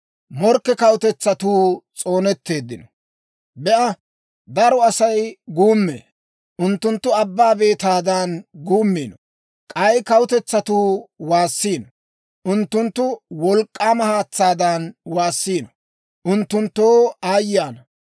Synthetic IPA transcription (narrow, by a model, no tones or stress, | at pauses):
mɔɾkːɛkɐwʊt̪ɛt͡sːɐt̪uːt͡sʼo̞ːnɛt̪ːe̞ːd̪ːɪnɔ | bɛʔɐ | d̪ɐɾɔɐsɐjɡuːmːḛː | ʔʊnt̪ːʊnt̪ːʊɐbːaːbe̞ːt̪aːd̪ɐnɡuːmːiːnɔ | kʼɐjkɐwʊt̪ɛt͡sːɐt̪uːwaːsːiːnɔ | ʔʊnt̪ːʊnt̪ːʊwɔlkʼːaːmɐhaːt͡sːaːd̪ɐnwaːsːiːnɔ | ʔʊnt̪ːʊnt̪ːoːaːjaːnɐ